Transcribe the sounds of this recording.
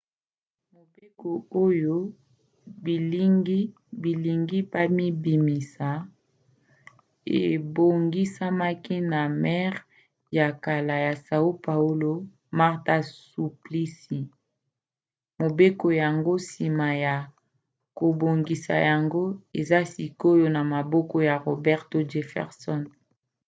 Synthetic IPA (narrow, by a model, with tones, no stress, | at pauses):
mo˨be˦ko˨o˦jo˦ | bi˨lŋɡi˦ | bi˨li˨ŋɡi˦pa˦mi˦bi˨mi˨sa˨ | ḛ˨bo˨ŋɡi˦sa˦ma˦ki˦na˨mɛ˦ʁ | ja˨ka˨la˨ja˨sa˨u˦pa˨o˦lo˦ | ma˦ʁta˦su˨pli˦si˨ | mo˨be˦ko˨ja˨ŋɡo˦si˨ma˨ja˨ | ko˨bo˨ŋɡi˨sa̰˨ja˨ŋɡo˦e˨za˦si˨ko˦jo˦na˨ma˨bɔ˦kɔ˦ja˨ʁo˨bɛ˦ʁto˦ʒe˨fɛ̰˨ʁsɔ˦n